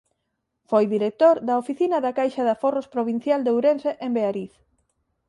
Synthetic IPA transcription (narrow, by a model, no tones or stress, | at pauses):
fojðiɾek̚t̪oɾðɐofiθinɐðɐkajʃɐðɐforospɾoβin̟θjald̪ewɾenseʔembeaɾiθ